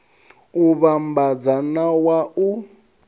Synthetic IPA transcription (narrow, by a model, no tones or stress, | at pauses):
uβambad͡zanawau